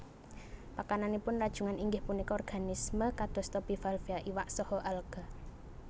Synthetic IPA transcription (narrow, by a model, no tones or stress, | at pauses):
pakananipʊnrad̥ʒ̥uŋaniŋɡɪhpunikɔɔrɡ̥anisməkad̪̥ɔ̤st̪ɔpifalfiaʔiwaʔsɔhɔʔalɡ̥a